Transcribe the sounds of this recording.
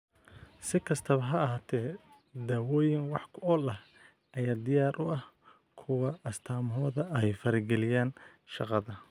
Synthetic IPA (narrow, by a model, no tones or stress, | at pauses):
sɪkʰɐst̪ʰɐβɐɦɐːɦaːt̪ʰɛː | d̪aːwɔːjɪŋwɑħkʰʊɔlɐh | ʔɐjaːd̪ɪjaːɾʔʊʔɐh | kʰʊwɑɐst̪ʰaːmɦɔːðɐʔɛjfɐɾɪɡɛlɪjaːn | ʃɑ̰qɑðɐ